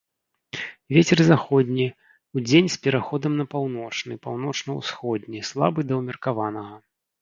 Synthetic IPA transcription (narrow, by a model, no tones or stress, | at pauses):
vʲet͡sʲɛrzaxɔdʲnʲi | ud͡zʲenʲspʲɛɾaxɔd̪ɐmnɐpawnɔt͡ʂnɨpawn̪ɔt͡ʂnɐwsxɔd̪ʲnʲislˠa̰bɨd̪ɐwmʲɐrkavanɐɣɐ